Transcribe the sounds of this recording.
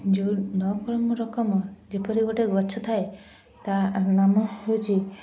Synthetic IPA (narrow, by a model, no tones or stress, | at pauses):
d͡ʒuɖɔkɾɔmɔɾɔkɔmɔd͡ʒepɔɾiɡɔʈeɡɔt͡ʃʰɔt̪ʰae | t̪anamɔɦewt͡ʃʰi